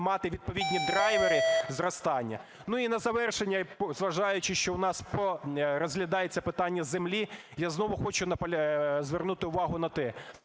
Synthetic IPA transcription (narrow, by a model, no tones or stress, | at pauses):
mɑt̪ɪʋʲid̪̚pɔʋʲid̪ʲnʲid̪ɾɑjʋeɾɪzrɔst̪ɑnʲːɐ̰ | nuinɐzɐʋɛrʃenʲːɐzʋɐʒɑjʊt͡ʃɪʃt͡ʃɔʊnɑspɔɾɔzɦlʲɐd̪ɑjet͡sʲːɐpɪt̪ɑnʲːɐzemlʲijaznɔʋʊxɔt͡ʃʊnɐpɐzʋernut̪ɪʊʋɑɦʊnɐt̪ɛ